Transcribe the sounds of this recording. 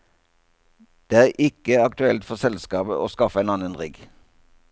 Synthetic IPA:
d̪̥eːæːʁʔɪkəɑkt̪ʉɛlt̪fɔʁsɛlskɑːbə̰ʔo̰ːskɑfəeːnɑnənʁɪɡ

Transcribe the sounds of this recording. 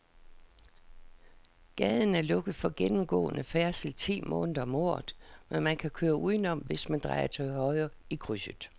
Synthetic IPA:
ɡ̥ɛðˠn̩æɐlɔ̽ɡ̥ð̩ˠfɒ̽ɡ̥enm̩ɡ̥ɔ̰̽ːnəfæɐsl̩t͡sʰḭːmʔɔ̰̽ːnðˠɐɒmoɐðˠmenmænkʰækʰøːɐʔuðˠnɒ̽mʋe̝smænd̥ʁɑ̈ɪɐt͡sʰɒhɒ̽ɪɐ | ikʰʁysəð̩ˠ

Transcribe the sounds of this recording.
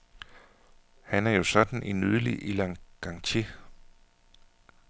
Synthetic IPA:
hænæɐjo̝sɒ̽d̥n̩ʔinyð̞ˠlḭʔilɑŋɡ̥ɑ̈ŋt͡sʰi

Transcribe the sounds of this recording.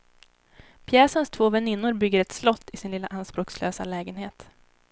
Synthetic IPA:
pʰjɛːsənst̪ʰv̥oːvɛnɪnːʊɾbʏɡːəɾɛt̪slɔt̪ʰːɪsɪnlɪlːaʔanspɾoːkslø̰ːsa̰lɛːɡənɦeːt̪

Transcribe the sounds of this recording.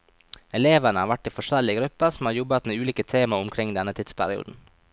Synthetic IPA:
ɛleːʋənəhɑːɾʋæʈːiːfɔʂɛlɪəɡɾʉpːəsɔm̩hɑːɾjɔbət̪meːʉːliːkət̪ʰeːməɾʊmkʰɾɪŋd̪ɛnət̪ʰɪt̪spʰæɾɪṵːd̪n̩

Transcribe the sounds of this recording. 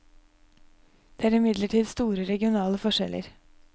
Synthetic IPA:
d̪̥eːæːɾɪmɪd̪ləʈʰiːd̪st̪uːɾəɾɛɡɪʊnɑːləfɔʂɛ̰lʔə̰ɾ

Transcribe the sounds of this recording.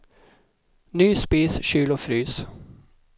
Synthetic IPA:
nyːspiːsɕyːlɔfɾyːs

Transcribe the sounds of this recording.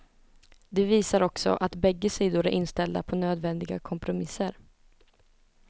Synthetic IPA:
d̪ɛviːsaɾɔksɔ̰ʔat̪bɛɡːəsiːd̪ʊɾæɾʔɪnst̪ɛld̪a̰pʰɔnøːd̪vɛnd̪ɪɡa̰kʰɔmpɾʊmɪsːəɾ

